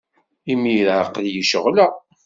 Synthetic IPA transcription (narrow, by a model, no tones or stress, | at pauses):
imiɾʕəqljəʃəʁlæ